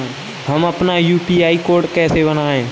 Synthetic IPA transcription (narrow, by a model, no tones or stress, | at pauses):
hɐmɐpnajuːpiːaːikoːɾɖkɛːsebənaːẽː